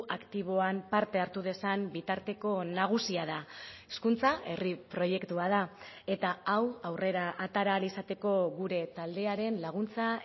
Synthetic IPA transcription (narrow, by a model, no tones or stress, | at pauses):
akt̪iβ̞o̞ampaɾt̪e̞aɾt̪uðe̞sambit̪aɾt̪e̞ko̞naɣ̞usiað̞aeskunt͡saʔe̞ripɾo̞je̞kt̪uað̞ae̞t̪aawawrʔe̞ɾaʔat̪aɾalisat̪e̞ko̞ɣuɾe̞t̪ald̪e̞aɾe̞nlaɣ̞unt͡sa